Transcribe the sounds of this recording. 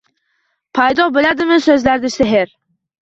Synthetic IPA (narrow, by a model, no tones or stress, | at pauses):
pʰajd̪ɒbɪlad̪ɪmɪsɵzlaɾd̪ɪseɦɪɾ